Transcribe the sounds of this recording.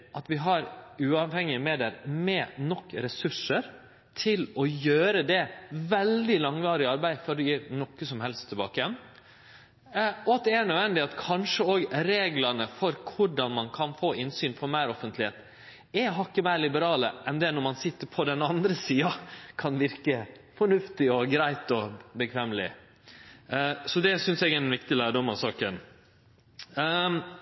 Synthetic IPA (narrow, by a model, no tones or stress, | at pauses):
ʔɑt̪ʋɪɦɑɾʉːɑʋhɛŋːɪəmeːd̪ɛɾmɛnɔkːɾɛsʉʂəɾ | t̪ʰɪlɔjøːɾəd̪ɛʋɛld̪ɪlɑŋʋɑːɾɪɑɾbæɪfɔɾd̪ɛjiːɾnɔkːəsɔmhɛlst̪ʰːɪlbɑ̰ːkəjɛn | ɔɑt̪̚d̪ɛæɳœʋɛnd̪ɪɑt̪kʰɑnʂəoːɡɾeːɡlɑnəfɔɾkʰʊɖɑnmɑnkʰɑnfoːɪnsyːnfɔɾmæɪɾɔfənt̪lɪheːt̪ | ɛɦɑkːəmæɪɾlɪbəɾɑːləʔɛnd̪ɛnɔɾmɑnsɪt̪ːəɾpʰɔd̪ɛnɑnd̪ɾəsiːɑkʰɑnʋɪɾkəfɔɳʉft̪ɪɔɡɾæɪt̪ɔbəkʰʋɛːmlɪ̰ | sɔd̪ɛsʏnsɛɡɛnʋɪkt̪ɪlæːɖɔmɑʋsɑːkən